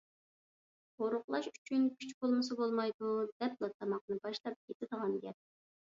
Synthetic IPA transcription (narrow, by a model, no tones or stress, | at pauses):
qoɾʊχlˠɑʃyt͡ʃʰynkʲʰyt͡ʃbolˠmɨs̬ɨbolˠmɑjd̪ud̪ɛplˠɑt̪ʰːɑmɑq̚nɨbɑʃlˠɑp̚kʲʰet̪ʰɪd̪əʁɑnɡʲɛp̚